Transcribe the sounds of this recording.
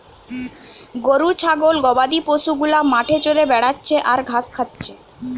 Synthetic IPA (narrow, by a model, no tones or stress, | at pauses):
ɡoɾut͡ɕʰaɡolɡɔbad̪ipoʃuɡulamaʈʰet͡ɕoɾebɛɽatːɕʰeʔaɾɡʱaskʰat̪ːɕʰe